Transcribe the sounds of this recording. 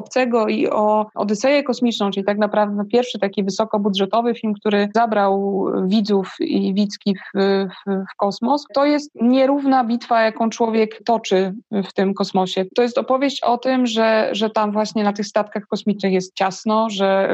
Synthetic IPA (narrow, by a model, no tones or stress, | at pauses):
ɔpt̪sɛɡɔḭɔʔɔ̰d̪ɛsɛjɛkɔsmʲit͡ʂnɔ̃w̃t͡ʂɘlʲit̪aknapɾavd̪ɛpʲjɛɾfʂɘt̪akʲivɘsɔkɔbud̪ʐɛt̪ɔvɘfʲilmk̚t̪uɾɘzabɾawvʲid̪zufḭvʲit̪skʲifffkɔsmɔst̪ɔjɛst̪ɲɛɾuvnabʲit̪fajakɔ̃w̃t͡ʂwɔvʲjɛkt̪ɔt͡ʂɘft̪ɘmkɔsmɔɕɛt̪ɔjɛst̪ɔpɔvʲjeɕt͡ɕɔt̪ɘmʐɛʐɛt̪amvwaɕɲɛnat̪ɘxst̪at̪kaxkɔsmʲit͡ʂnɘxjɛst̪̚t͡ɕasnɔʐɛ